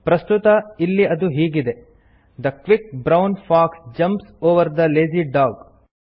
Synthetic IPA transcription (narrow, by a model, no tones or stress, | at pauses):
pɾɐst̪ut̪ɐilːiɐd̪uɦiːɡid̪e̞ | d̪ɐkʋik̚bɾɐwnfaːksd͡ʒɐ̃mpsoːʋɐɾd̪ɐleːziɖaːɡ